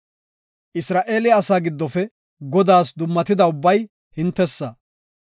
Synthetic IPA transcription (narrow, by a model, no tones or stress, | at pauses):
ʔɪsɾaːʔe̞ːlɪɐsaːɡɪd̪ːɔfɛ | ɡɔd̪aːsd̪ʊmːɐt̪ɪd̪ɐʊbːɐj | hɪnt̪ːɛsːɐ